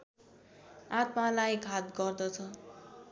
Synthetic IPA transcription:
at̪malajɡʱat̪̚ɡʌrd̪ʌt͡sʰʌ

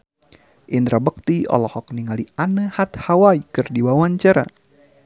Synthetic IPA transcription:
ʔind̪ɾabək̚t̪iɔ̰lɔhɔk̚niŋalianəhat̪̚hawaikɨrdiwawaɲt͡ʃaɾa̰

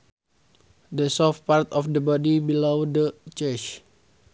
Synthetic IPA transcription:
desɔfpart̪ɔfdəbɔdibilowdət͡ʃɛt͡ʃ

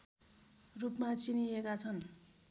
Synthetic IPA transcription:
rupmat͡siniekat͡sʰʌn

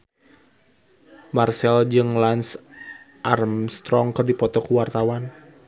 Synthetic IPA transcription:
marsɛld͡ʒɨŋlans | ʔarmst̪ɾɔŋkɨrdipɔt̪ɔkuwart̪awan

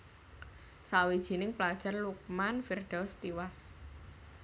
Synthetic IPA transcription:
sawid̥ʒ̥i̤nɪŋplad̥ʒ̥a̤rluk̚manfirɖ̥ɔst̪iwas

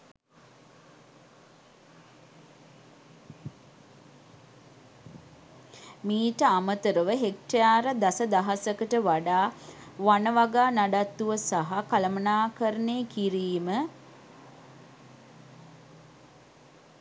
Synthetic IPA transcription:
miːʈəamət̪əɾəʋəɦek̚ʈejaːɾəd̪asəd̪aɦasəkəʈəʋaɖaːʋanəʋaɡaːnaɖat̪ːuʋəsaɦakaləmənaːkəɾəneːkiɾiːmə

